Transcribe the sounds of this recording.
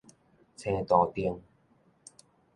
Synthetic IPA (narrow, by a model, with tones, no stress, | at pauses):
t͡sʰɛ̃ː˧t̪ɔː˨˩t̪i˧əŋ